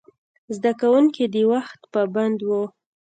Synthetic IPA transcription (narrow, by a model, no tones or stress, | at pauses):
zd̪akawuŋkid̪ewaxt̪pəband̪wu